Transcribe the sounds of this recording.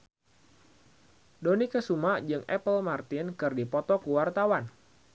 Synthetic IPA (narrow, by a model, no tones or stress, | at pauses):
donikəsumad͡ʒɨŋɛ̰pəlmart̪ɪnkɨrdipɔt̪ɔkuwart̪awan